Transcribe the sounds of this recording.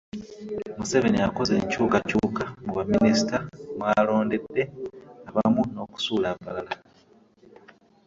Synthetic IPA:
museβe̞nijako̞zeːɲcuːkacuːkamuβaminisi̥tamwaːlo̞ːnde̞dːe̞aβamuno̞ːku̥suːlaβːalala

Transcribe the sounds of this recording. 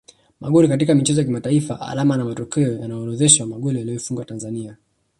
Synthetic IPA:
maɠɔɾikat̬ikamit͡ʃɛzɔjak̬imataifa̰ʔa̰lamanamatɔkɛɔjanaɔɾɔðɛʃwamaɠɔlijaliɔifuŋɡwatanzania

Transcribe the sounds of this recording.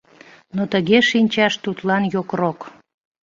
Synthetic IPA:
not̪əɣeʃinʲt͡ɕɑʃt̪ut̪lɑnjokrok

